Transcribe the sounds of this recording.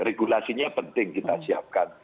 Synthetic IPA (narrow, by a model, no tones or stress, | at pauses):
reɡulasiɲapənt̪ɪŋkit̪asiap̚kan